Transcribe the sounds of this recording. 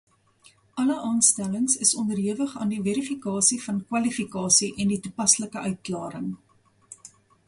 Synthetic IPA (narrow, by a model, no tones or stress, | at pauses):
ʔɐləʔɑːnstæləŋsəsɔndərɦiəvəχɑːndivɛɾifikɑːsifɐnkwɐlifikɑːsiʔɛnditupɐsləkəœɥt̚klɑːɾəŋ